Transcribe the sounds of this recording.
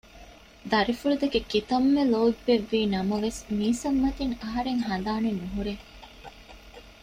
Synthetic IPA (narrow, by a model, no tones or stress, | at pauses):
d̪ɐɾifuɭud̪ɐkekit̪ɐmːeloːbːeʋːiːnɐmɐʋesmiːsɐmːɐt̪iŋɐɦɐɾeŋɦɐn̆d̪aːnenuɦuɾeŋ